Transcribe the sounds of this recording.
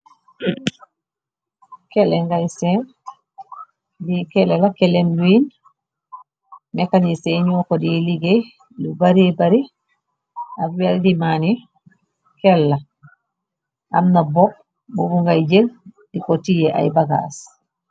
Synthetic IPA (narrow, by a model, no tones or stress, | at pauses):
kɛlɛŋɡajsɛn | dikɛlɛlakɛlɛnluin | mɛkaɲisɛɲɔkɔdiliɡej | lubaɾibaɾi | afbɛldimani | kɛlːa | ʔa̰mnabɔ | bubuŋɡajd͡ʒel | dikɔtijɛʔa̰jbaɡa̰s